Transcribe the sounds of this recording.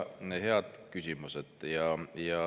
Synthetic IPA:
nehe̞ɑd̪̥kysʲimused̪̥jɑjɑ

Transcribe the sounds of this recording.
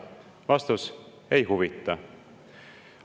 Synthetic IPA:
vɑst̪us | e̞jɦuvit̪ːˑɑ

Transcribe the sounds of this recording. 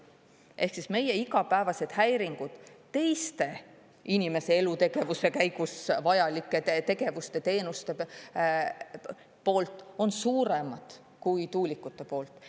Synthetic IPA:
ʔe̞hksisme̞je̞iɡɑpæevɑse̞d̪̥hæjɾiŋɡ̥ud̪̥t̪e̞jst̪e̞ | inʲime̞seelut̪e̞ɡ̥e̞vuse̞kæjɡ̥usvɑjɑlikˑːe̞t̪e̞ɡe̞vust̪e̞t̪e̞ːnust̪e̞ | po̞ːlt̪ˑo̞nsuːɾe̞mɑd̪̥ | kujt̪uːlʲikːˑut̪ːˑe̞po̞ːlt̪ːˑ

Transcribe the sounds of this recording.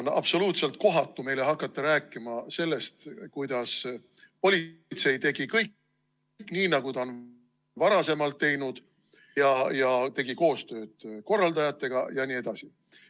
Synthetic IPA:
nɑ̰b̥so̞luːt̪se̞lt̪̚ko̞ɦɑt̪ːˑume̞jle̞ɦɑkːˑɑt̪ːɑɾæːkːˑimɑse̞lːe̞st̪kujd̪̥ɑs | po̞lʲit̪se̞jt̪e̞ɡ̥ikɤjk | kːˑniːnɑɡut̪ɑon | vɑɾɑse̞mɑlt̪ːe̞jnud̪̥ | jɑjɑt̪e̞ɡ̥iko̞ːst̪ø̞ːd̪̥ko̞rːɑld̪ɑjɑt̪ːˑe̞ɡ̥ɑjɑnie̞d̪ɑsi

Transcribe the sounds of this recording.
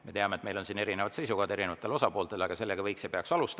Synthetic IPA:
me̞t̪eɑmet̪mejlo̞nsiːne̞ɾinevɑd̪t̪se̞jsukɑːd̪eɾinevɑt̪ːˑelo̞sɑpo̞ːlt̪e̞lɑɡ̥ɑse̞lːeɡɑvɤjksepeɑksɑlust̪

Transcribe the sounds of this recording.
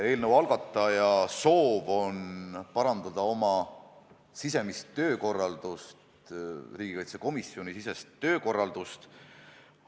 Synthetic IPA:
e̞ːlnəwɑlɡ̥ɑt̪ːˑɑjɑso̞ːvo̞npɑɾɑnd̪̥ɑd̪̥ɑo̞mɑ | sise̞mist̪ːø̞ːko̞rːɑld̪̥ust̪ | riːɡikɑjt̪seko̞misjo̞nisise̞st̪ːø̞ːko̞rːɑld̪ust̪

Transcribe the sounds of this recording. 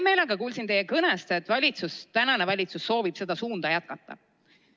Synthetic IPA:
me̞ːlɑɡɑkuːlsint̪e̞jekɤnest̪et̪ːˑvɑlʲit̪sust̪ænɑnevɑlʲit̪susːo̞ːvib̥se̞d̪̥ɑsuːnd̪̥ɑjæt̪̚kɑt̪ːˑɑ̰

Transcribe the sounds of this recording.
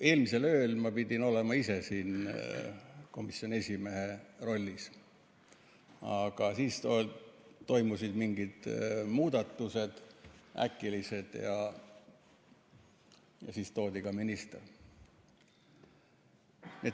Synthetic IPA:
e̞ːlmise̞lø̞ːlmɑpid̪̥ʲino̞lemɑise̞siːn | ko̞misjo̞nʲie̞sʲime̞ɦe̞ro̞lʲːis | ɑɡ̥ɑsiːst̪ot̪o̞jmusid̪miŋɡ̥id̪̥muːd̪̥ɑt̪ːuse̞d̪̥æ̰kːˑilise̞d̪̥jɑ | jɑsiːst̪o̞ːd̪ʲiɡ̥ɑminist̪er | nie

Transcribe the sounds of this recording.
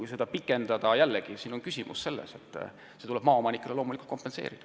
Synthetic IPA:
ujse̞d̪ɑpikːˑe̞nd̪̥ɑd̪̥ɑjælːeɡ̥isiːno̞nkysʲimṵsse̞lːḛse̞t̪ˑː | se̞t̪ule̞b̥mɑːo̞mɑnikːˑeleloːmulikult̪̚ko̞mpːe̞nse̞̰ːɾid̥̪ɑ̥

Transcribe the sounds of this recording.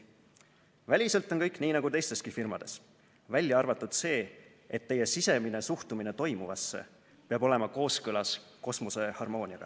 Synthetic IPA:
vælʲise̞lt̪ːˑo̞nkɤjkniːnɑɡ̥ut̪e̞jst̪e̞skifirmɑd̪̥e̞s | vælʲːjɑɑrvɑt̪ːˑud̪̥se̞ː | e̞t̪ːe̞je̞sise̞mine̞suht̪umine̞t̪o̞jmuvɑsːḛ | peɑbo̞le̞mɑko̞ːskɤlɑsko̞smose̞hɑrmo̞ːnʲiɑɡ̥ɑ̰

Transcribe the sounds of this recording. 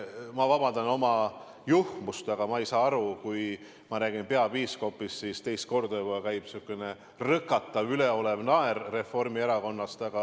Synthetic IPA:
mɑvɑbɑnd̪ɑno̞mɑ | juhmust̪ɑɡ̥ɑmɑejsɑːɑɾukuj | mɑɾæːɡ̥inpe̞ɑb̥iːsko̞pːˑissiːst̪e̞jst̪̚ko̞rd̪ojboɑkæjb̥sukːˑene | rɤkːˑɑt̪ːˑɑvyle̞o̞le̞vnɑerːe̞fo̞rmie̞ɾɑko̞nːɑst̪ɑɡ̥ɑ

